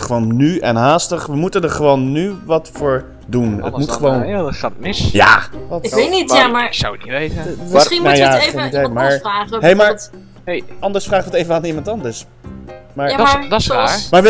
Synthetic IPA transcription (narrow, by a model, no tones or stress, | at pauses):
χəʋownːyɛnɦaːstəχʋəmutəndəɹχəʋownːyʋɑtfʊːɹ | dunə̰tmutχəʋownχatəmɪsja̰ːɪʋetnitjamasawəknitʋejəmχinmnujaəenitʋemaːɹaːɦejmaːɹ | ɑndəɹsfraːχʋətejvəaːnimɑntɑndəɹs | maːɹaadamaːɹʋə